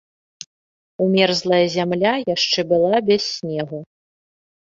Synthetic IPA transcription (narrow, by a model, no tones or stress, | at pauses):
umʲɛrzlˠɐjɐzʲamlʲajaʂt͡ʂɛbɨlˠabʲɛsʲnʲɛɣu